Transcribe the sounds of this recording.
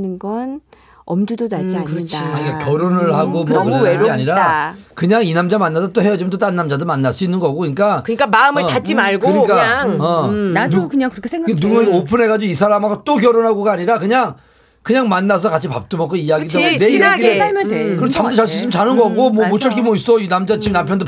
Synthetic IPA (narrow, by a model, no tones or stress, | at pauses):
nɯnɡʌn | ʌmdudonad͡ʑɯt͡ɕkɯɲik͈akʲjʌɾonɯɭhaɡomokɯea̰ɲiɾakɯɲaŋinamd͡ʑamanːas̬ʰʌt͈ohejʌd͡ʑimʌnt̬͈ot͈anːamd͡ʑadɯmanːaɭs͈uinːɯnɡʌɡoiɲik͈akɯɲik͈amaɯmɯɭtat͡ɕ͈imaɭɡoɯɲik͈aŋʌanukɯɲaŋkɾkʰeŋɡanuɡunaopʰɯnɦe̞ɣad͡ʑoisʰaɾamaɡt͈ok̬ʲjʌɾonɦaɡoɡaaɲiɾakɯɲaŋ | kɯɲaŋmanːas̬ʰʌkat͡ɕʰipa̰p̚t͈umʌk͈ʰːoijaɡidoeiaɡimjnekɯɾet͡ɕamʰot͡ɕaɭs̬͈uis͈ɯmt͡ɕanɯnɡʌɡomʌmoɕ͈ʰʌɭkʰimʌis͈ʌinamd͡ʑat͡ɕimnampʰjʌndo